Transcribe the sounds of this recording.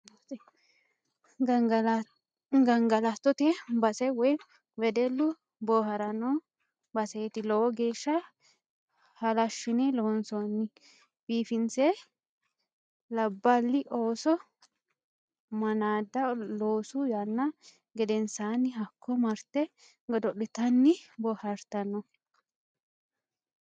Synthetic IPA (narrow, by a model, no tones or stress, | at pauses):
ɡɐŋɡɐlɐt̪ːɔt̪ɛbɐsɛwɔj | wɛd̪ɛlːʊ | boːɦɐɾɐno | bɐseːt̪ɪlowɔɡeːʃːɐ | hɐlɐʃːʊnɛloːnsɔnːɪ | biːfɪnse | lɐbːɐlːɪʔoːsɔ | mɐnaːd̪ːɐloːsʊjanːɐ | ɡɛd̪ɛnsaːnːɪɦɐkʰːɔmɐɾt̪ɛ | ɡɔd̪ɔɗɪt̪ɐnːɪbɔːhɐɾt̪ɐnːɔ